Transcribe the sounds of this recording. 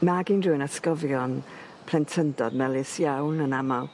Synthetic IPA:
maɡindrɨnaskɔvjɔn | pʰlɛntʰəndɔdmɛlˠɪsjawnənamalˠ

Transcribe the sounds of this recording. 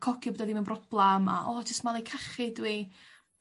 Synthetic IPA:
kʰɔkʰibɔdɛðimɪnbrɔb̥lˠama̰ʔɔd͡ʒəstmalˠejkʰaχɪdwi

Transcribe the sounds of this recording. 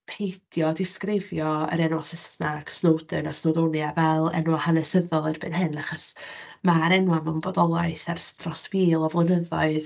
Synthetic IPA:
pʰejd̥jɔdɪskrɪvjɔə̰ɾɛnɔsɪsnakʰsnowdɨnasnowdonjavɛlˠɛ̰nwahanɛsəðɔlˠərb̥ɨ̰ːnhɨnaχɔs | maɾɛnwamɛwnbɔdɔlˠajθarstrɔsviːlˠɔvlˠənəðɔɨð

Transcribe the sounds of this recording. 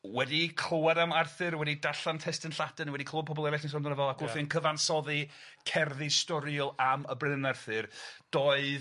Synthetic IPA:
wɛdikʰl̥ˠowaɾamarθɨɾwɛdidaɬantʰɛstɪnɬadənwɛdikʰowapɔbɔlˠɛlɪɬnisɔndənəvɔlˠakʊlˠfinkʰəvansɔði | kʰɛrðistɔɾiɔlˠaməbrɪnarθɨrd̥oːɨð

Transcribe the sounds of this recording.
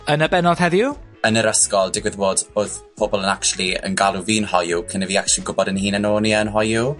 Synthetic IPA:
ənəbɛnɔð̥hɛðjuənəɾəskɔlˠdɪɡwɪðboːdoːðpʰobɔlˠənakt͡ʃulˠiə̰nɡalˠuviːnhɔjukʰənɛviːak̚ʃlˠiɡʊbɔdənhiːnənoːniənɦɔju

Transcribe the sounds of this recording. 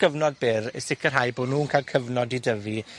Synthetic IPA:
ɡ̥əvnɔd̚bɪɾə̰sɪkʰərɦajboːdnuːnkʰalˠkʰəvnɔdidəvi

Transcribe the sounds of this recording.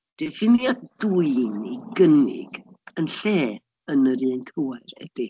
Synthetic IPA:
d̥ɛfɪnjaduɨniɡənɪ̰ɡ̥ | ənɬeː | ənəɾɨːnkʰəwarɛ̰d̥ɪ

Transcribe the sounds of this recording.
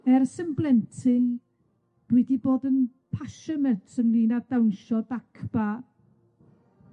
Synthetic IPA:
ɛrsəmblˠɛntʰɪn | d̥wɛdiboːdən | pʰaʃɔnɛntʰəmliːnadawnʃɔdakʰb̥a

